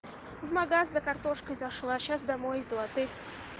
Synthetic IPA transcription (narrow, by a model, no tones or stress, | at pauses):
vmɐɡaszɐkɐrt̪oʂkəjzɐʂlˠaɕasd̪ɐmojɪd̪ɐt̪ɨ